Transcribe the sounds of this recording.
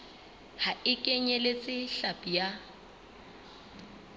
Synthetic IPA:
haɪkʼeɲɛlet͡sʼɪɬapʼija

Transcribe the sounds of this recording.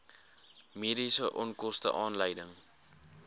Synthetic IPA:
miːdisəʔɔnkɔstə̰ʔɑːnləjdəŋ

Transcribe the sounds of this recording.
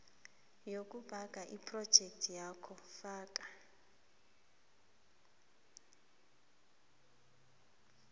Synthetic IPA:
jokʼub̥ʱakʼaʔipʰʼrɔd̥ʒ̥ʱɛk̚tʰʼjakʰɔfaːk̬ʼa

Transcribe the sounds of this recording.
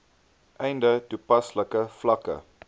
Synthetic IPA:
ʔɛjndətupɐsləkəflɐkə̰

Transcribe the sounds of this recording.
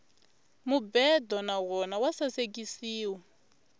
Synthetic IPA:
mubɛdɔnaɣɔnawasasek̬ʼisiːwa

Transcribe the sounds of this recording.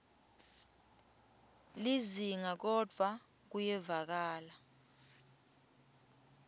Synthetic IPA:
liziŋak̬ɔd̥ʱwa | k̬ujɛvak̬aːla

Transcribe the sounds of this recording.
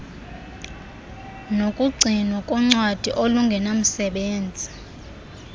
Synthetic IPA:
nokʼuɡ͡ǀʱinwakʼɔŋ͡ǀwad̥ʱiʔoluŋɡʱɛnam̩sɛɓeːnd͡zʱi

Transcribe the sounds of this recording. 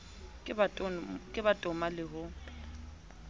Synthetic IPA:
kʼɪbatʼɔmalɪɦʊ

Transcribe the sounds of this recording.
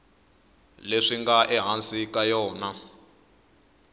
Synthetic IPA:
leʂiŋɡaʔɛɦansikajɔːna

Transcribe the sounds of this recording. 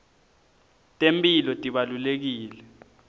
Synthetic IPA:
tʼempʼilɔtʼiɓalulek̬iːlɛ

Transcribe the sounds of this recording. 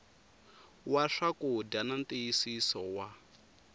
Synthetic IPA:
waʂakudananteisisɔwa

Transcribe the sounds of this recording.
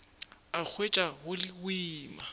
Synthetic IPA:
ak͡xʰwet͡ʃʼahʊlɪwiːma

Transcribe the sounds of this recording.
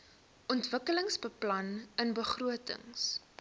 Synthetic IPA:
ʔɔntvəkələŋsbəplɐnənbəχruətə̰ŋs

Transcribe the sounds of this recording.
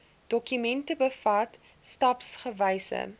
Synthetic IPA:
d̥ɔkymɛntəbəfɐt | stɐpsχəvəjsə̰

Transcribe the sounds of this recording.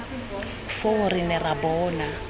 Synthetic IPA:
foʊrinɛrabɔːna

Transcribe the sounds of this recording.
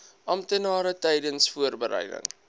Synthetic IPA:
ʔɐmtənɑːɾətɛjdənsfuərbəɾɛ̰jdə̰ŋ

